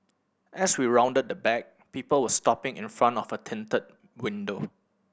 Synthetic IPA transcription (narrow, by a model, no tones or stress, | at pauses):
ʔɛswiɹãʊ̃ndəd̚dəbɛk̚ | piːpəlwəstɔpɪ̃ŋɪ̰̃nfɹãntɔfətʰɪ̃ntəd̚ | wɪ̃ndo